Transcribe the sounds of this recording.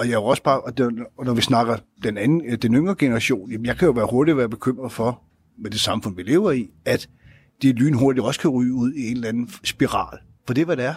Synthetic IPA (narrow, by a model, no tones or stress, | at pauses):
ɒ̽jɑɒ̽sb̥ɑ̈ːʔɒnɒʋisnɑ̈ɡ̥ɐ | d̥enænn̩d̥enøŋʁɐɡ̥e̝nɐʁɑɕo̝̰ːnjæmnjɑɪkʰæjo̝ʋæːɐho̝ɐɾ̥id̥ʋæːɐb̥e̝kʰøm̰ʁɐð̩ˠfɒ̽ | med̥e̝sɑ̈mfɔ̽n̰ʋile̝̰ʊɐiæd̥ | d̥e̝ly̰ːn̩ɦo̝ɐd̥idɒ̽sə̥kʰæʁy̰ːuð̞̰ˠie̝nllænn̩sb̥iʁɑ̰̈ːl | fɒ̽d̥e̝ʋæɾ̥eæɐ